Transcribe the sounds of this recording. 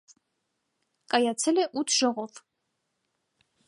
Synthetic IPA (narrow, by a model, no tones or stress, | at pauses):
kʼajat͡sʰɛlɛʔut̪ʰʒ̥ɔʁɔv